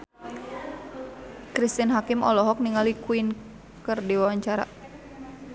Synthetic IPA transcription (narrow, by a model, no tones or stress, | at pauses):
kɾist̪inɦakɪmɔ̰lɔɦɔk̚niŋalikuin | kərdiwawaɲt͡ʃaɾa̰